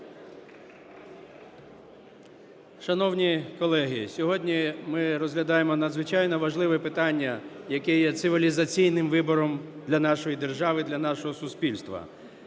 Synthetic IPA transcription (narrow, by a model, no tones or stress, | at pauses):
ʃɐnɔwnʲikɔlˠɛɦɪsʲɔɦɔdʲnʲimɪɾɔzɦlʲɐd̪ɑjemɔnɐd̪zʋɪt͡ʃɑjnɔʋɐʒlˠɪʋɛpɪt̪ɑnʲːɐjɐkɛjɛt̪sɪʋʲilʲizɐt͡sʲijnɪmʋɪbɔɾɔm | d̪lʲɐnɑʃɔjid̪erʒɑʋɪd̪lʲɐnɑʃɔɦɔsʊspʲilʲst̪ʋɐ̰